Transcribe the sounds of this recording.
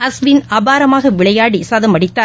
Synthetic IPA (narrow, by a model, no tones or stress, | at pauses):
ɐsʋɪnɐbaːɾɐmaːɣɐʋɪɭɐjaːɽisaːðɐmɐɽɪt̪ːaː